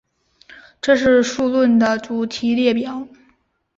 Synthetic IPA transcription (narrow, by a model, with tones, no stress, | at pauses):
ʈ͡ʂɤ˥˧ʂɻ̩˥˧ʂu˥˧lwə˥˩nd̪ə˩t͡su˨˩t̪ʰi˧˥ljɛ˥˩pjɑ˨˩˦ʊ